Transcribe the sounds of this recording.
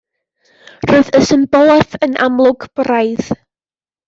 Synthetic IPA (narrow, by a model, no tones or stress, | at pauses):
roɨðəsənbɔlˠɛfənʔa̰mlˠʊɡb̥rajð